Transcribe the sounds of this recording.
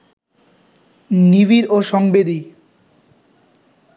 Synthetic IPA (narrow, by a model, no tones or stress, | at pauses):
niβiɾoʃɔŋbed̪i